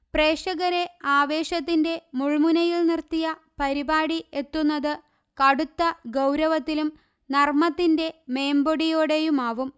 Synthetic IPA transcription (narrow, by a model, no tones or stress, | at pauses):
pre̞ːʂɐɣɐɾe̞aːʋe̞ːɕɐt̪ːinde̞muɭmunɐjilnirt̪ːijɐ | pɐɾibaːɽie̞t̪ːunːɐðɨ | kɐɽut̪ːɐɡɐwɾɐʋɐt̪ːilum | nɐrmɐt̪ːinde̞me̞ːmbo̞ɽijo̞ːɽe̞jumaːʋum